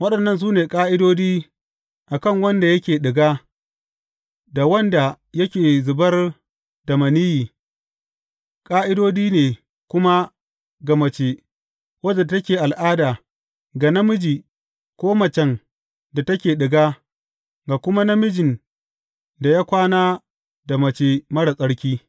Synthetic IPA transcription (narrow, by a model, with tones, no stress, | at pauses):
wɐ˦ɗɐ˨nːɐ˦˨ns̬uː˦neː˨kʼaː˦ʔɪ˦doː˦d͡ʒiː˦ | ʔa˨kɐ˦˨ŋwɐ˦nda˨jɐ˦kʲeː˨ɗɪ˨ɡaː˦ | da˨wɐ˦nda˨ | jɐ˦kʲeː˨zʊ˨bɐ˦r | dɐ˨mɐ˨ni˦jiː˨ | kʼaː˦ʔɪ˦doː˦diː˦neː˨ | kʷʊ˦ma˦ | ɡa˨mɐ˨t͡ʃeː˨ | wɐ˦d͡ʒɛ˨tɐ˦kʲeː˨ʔa˨lʔaː˦daː˨ | ɡa˨nɐ˦mɪ˦d͡ʒiː˨ | kʷoː˦mɐ˨t͡ʃɛ˦˨ŋ | da˨tɐ˦kʲeː˨ɗɪ˨ɡaː˦ | ɡa˨kʷʊ˦ma˦nɐ˦mɪ˦d͡ʒɪ˨n | da˨jaː˦kʷaː˦naː˦ | da˨mɐ˨t͡ʃe˨mɐ˦ɽa˨sʼɐ˦ɽkʲiː˦